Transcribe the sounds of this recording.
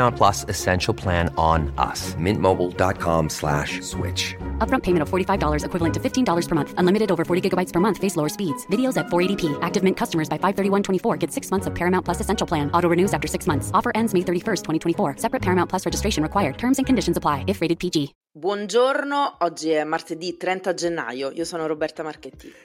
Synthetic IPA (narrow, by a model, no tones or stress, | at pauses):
ãʊ̃npʰl̥ʌsɨsɛ̃nʃl̩ˠpʰl̥æ̃ñnʔʌ̰smɪ̰̃nmoʊbl̩ˠdɑ̰t̚kʰɑ̰̃mslæ̰ʃswɪ̰t͡ʃʌpbɹʌ̃mpʰẽɪmɨ̃ñtʌv̥fɔɹɾifaɪvdɔlˠə˞zɨkwɪvlˠə̃ntʰɨfɪftʰĩndɔlˠə˞z̥pʰə˞mʌ̃nθə̃nlɪ̃mɨɾɨɾoʊvə˞fɔɹɾiɡɪɡəbaɪtspʰə˞mʌ̃nθfeɪsloʊə˞spidz̥vɪɾioʊzɨtfɔɹeɪɾipʰiʔæk̚tɨvmɪ̃nkʰʌstəmə˞zbaɪfaɪv̥θɜ˞ɾiwʌ̃ntʰwɛ̃ɾ̃ifɔɹɡɛtsɪksmʌ̃nθsʌv̥pʰɛɹɨmãʊ̃npʰlʌsɨsɛ̃nʃl̩ˠpʰl̥æ̃nʔɔɾoʊɹɨnʉzæftə˞sɪksmʌ̃nθsɔfə˞ʔɛ̃ndzmeɪθɜ˞ɾifɜ˞stʰɛ̃itʰwɛ̃ifɔɹsɛpɹɨtpʰɛɹɨmãʊ̃npʰlʌsɹɛd͡ʒɨstɹ̥eɪʃɨ̃nɹɨkw̥aɪə˞d̚tʰɜ̃˞mzɨ̃nkʰɨ̃n̩dɪʃn̩zəpʰl̥aɪɪfɹeɪɾɨd̚pid͡ʒi | bwɔnd͡ʒornoɔd͡ʒːiɛmːart̪ed̪it̪ɾɛnt̪ad͡ʒenːa̰joiosoːnoɾobɛrt̪amarket̪ːi